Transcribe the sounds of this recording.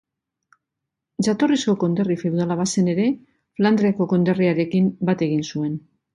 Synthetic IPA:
d͡ʒat̪o̞risko̞ko̞nd̪e̞rifewðalaβ̞ase̞ne̞ɾe̞ | fland̪ɾeako̞ko̞nd̪e̞riaɾe̞kimbat̪e̞ɣ̞insue̞n

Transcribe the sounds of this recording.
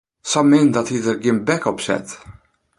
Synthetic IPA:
sɑmːɪnd̪ɑt̪iðəɾɡɪmbækɔpsɛ̰t̪

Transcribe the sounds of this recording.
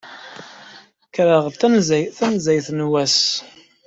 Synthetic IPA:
kɾəʁəðθænzæjθænzæjθnwæs

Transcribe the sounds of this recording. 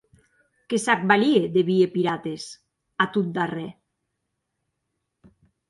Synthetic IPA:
kesak̚balieðeβiepiɾat̪es | at̪ut̪̚d̪arɛ

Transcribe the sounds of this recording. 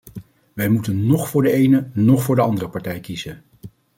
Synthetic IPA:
ʋɛjmutənːɔχfʊːɹdəejnənɔχfʊːɹdəɑndərəpɑɹtɛjkizə

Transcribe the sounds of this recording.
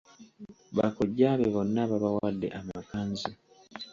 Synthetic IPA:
βa̰koɟːaːβeβonːaβaβawaːdːeʔamakaːnzi

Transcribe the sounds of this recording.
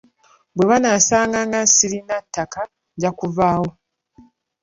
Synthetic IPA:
bwe̞βanaːsaːŋɡaŋɡasiɾinatːaka | ɟakuvaːwo̞

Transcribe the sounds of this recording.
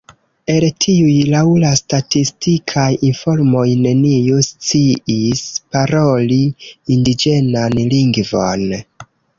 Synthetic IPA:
e̞ltʰiujlawlastatistikʰajinfo̞ɾmo̞jne̞niust͡siispaɾoliindid͡ʒe̞nanliŋɡvon

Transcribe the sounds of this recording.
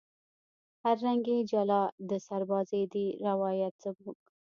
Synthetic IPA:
haɾːaŋɡed͡ʒalɑd̪əsaɾbɑzed̪iɾawɑjat̪sabuk

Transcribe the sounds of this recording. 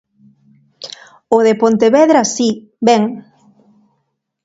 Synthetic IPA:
oðepont̪eβɛðɾasi | bɛŋ

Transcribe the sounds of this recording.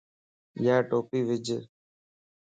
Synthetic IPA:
jaːʈoːpiːʋɪd͡ʒ

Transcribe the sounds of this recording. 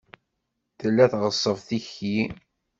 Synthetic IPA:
θəlːæθʁəsˤːəvθiçi

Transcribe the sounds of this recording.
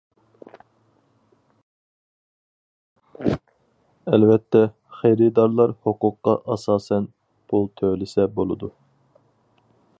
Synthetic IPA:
ɛlvɛt̪ʰːɛ | χɛjɾɪd̪ɑɾlˠɑɾhoqʊqːɑʔɑsɑːsɛn | pʰulˠt̪ʰølɪsɛbolˠɨd̪u

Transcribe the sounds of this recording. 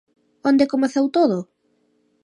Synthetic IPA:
ond̪ekomeθewt̪oðʊ

